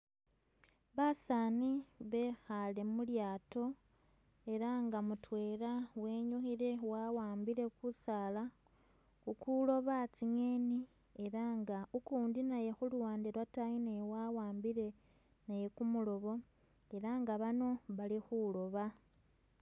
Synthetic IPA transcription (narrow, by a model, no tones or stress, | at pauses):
βasaːniβe̞ːxale̞muljaːto̞ | e̞ɾaŋɡamutwe̞ːɾawe̞ːɲuxiɾe̞wawaːmbiɾe̞kusaːla | xukulo̞βat͡siŋeːni | e̞ɾaŋɡaukuːndinaje̞xuluwaːndiɾwatainejwawaːmbiɾe̞ | naje̞kumulo̞βo̞ | eɾaŋɡaβano̞βalixulo̞βa